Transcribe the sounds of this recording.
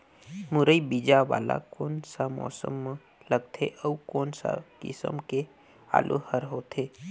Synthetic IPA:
mʊɾəibid͡ʒaʋa̰ːla̰koːnsamɔ̰ːsə̰mː | ləɡt̪ʰeʔəkoːnsa̰kɪsə̰mke | a̰ːlʔo̰həɾɦoːt̪ʰeː

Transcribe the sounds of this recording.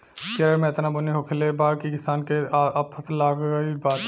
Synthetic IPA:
samẽɪt̪nabʊniɦokʰelebaːkikɪsaːnkeɐpʰət̪laːɡibaːt̪

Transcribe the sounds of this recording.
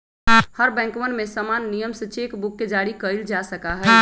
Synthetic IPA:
həɾbɛ̃ŋkmənmesəmanːijəmsə̃t͡ʃekbukːed͡ʒaɾikəild͡ʒasəkaɦɛ

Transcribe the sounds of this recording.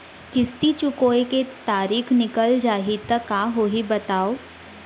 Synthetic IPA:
kɪst̪it͡ʃʊkoːeket̪aːɾiːkʰnɪkəld͡ʒaːɦit̪əkaɦoːɦibɐt̪aːoː

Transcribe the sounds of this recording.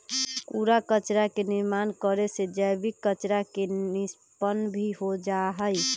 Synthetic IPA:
puɾakət͡ʃɾakeniɾmankəɾesed͡ʒəjbikːət͡ʃɾakenis | pənbʱiɦod͡ʒaɦəj

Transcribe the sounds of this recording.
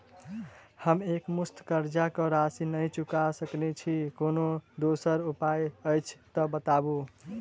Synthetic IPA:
həmekmust̪ʰkəɾd͡ʒakɔɾasinəjt͡ʃukasəknɛt͡ʃʰikonod̪osəɾupajəjt͡ʃʰt̪ɔbət̪abu

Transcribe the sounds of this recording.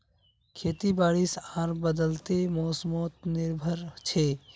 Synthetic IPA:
kʰeːt̪ibaːɽisãːɾbəd̪əlt̪emɔːsmoːt̪̚nɪɾbʱəɾt͡ʃʰeː

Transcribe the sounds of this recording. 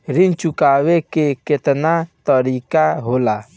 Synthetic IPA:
ɾint͡ʃukawekeket̪nat̪əɾikaɦola

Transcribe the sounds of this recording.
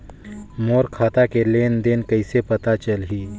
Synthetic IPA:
moːɾkʰaːt̪akeleːnd̪enkɐɪsepɐt̪at͡ʃəlɦiː

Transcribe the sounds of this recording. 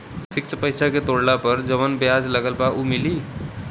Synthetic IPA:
t̪ʰiksəpəjsaket̪oɽlapəɾd͡ʒəʋənbjad͡zləɡəlpaʔumili

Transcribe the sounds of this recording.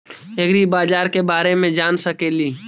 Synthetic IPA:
eɡɾibaːd͡ʒaːɾkebaːɾemẽd͡ʒaːnsəkeːliː

